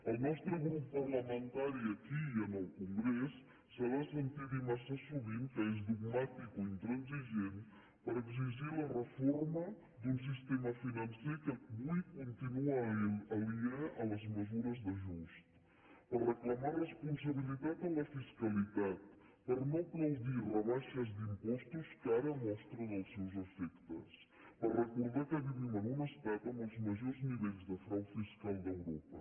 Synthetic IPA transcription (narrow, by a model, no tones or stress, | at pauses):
ɐlnɔst̪ɾuɣɾupupɐɾlɐmẽnt̪aɾiɐkiiɐnɔlkũŋɡɾɛsː | əɾasent̪iðumɐsasuβint̪əezd̪uɣmat̪ikuint̪ɾɐnziʒen | pɐɾeɡziʒiɾlɐrəfɔɾmɐ | d̪ũns̬ist̪emɐfinɐ̃nsejkəβujkõnt̪inuaɐliaɾɐlɐzməzuɾɐzðɐʒuʃt̪ | pɐrəklɐmaɾrespõns̬ɐβiliðat̪ɐlɐfiskɐliðað | pɐɾnɐ̃w̃pɾɐwðiɾrɐβaʃɐzd̪impɔʃt̪uskaɾɐmɔʃt̪ɾɐðɐsewzɐfɛkt̪ɐs | pɐrəkuɾðakɐðiβinɐnumɐst̪at̪ɐnɐzmɐʒɔɾzmiðejzðɐfɾãw̪fiʃkalˠd̪ɐwɾɔpɐ